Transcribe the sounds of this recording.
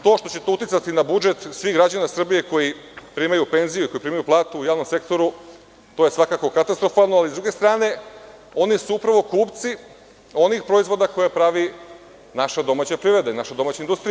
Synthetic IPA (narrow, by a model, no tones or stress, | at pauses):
t̪o̞ːʃt̪o̞t͡ɕe̞t̪ut̪it̪sat̪inabud͡ʒe̞t̪sʋiɣɡɾad͡ʑanasr̩bije̞ko̞jipɾiːmajupe̞nzijuiko̞jipɾiːmajuplˠaːt̪uːjaːʋno̞mse̞kt̪o̞ɾu | t̪o̞jesʋakako̞kat̪ast̪ɾo̞falˠnoalizd̪ɾuɡe̞st̪ɾaːne̞o̞nisuupɾaʋo̞kuːpt̪si | o̞nixpɾo̞izʋo̞d̪ako̞jepɾaʋi | naʃad̪o̞maːt͡ɕapɾiɾe̞d̪ainaʃad̪o̞maːt͡ɕand̪ust̪ɾi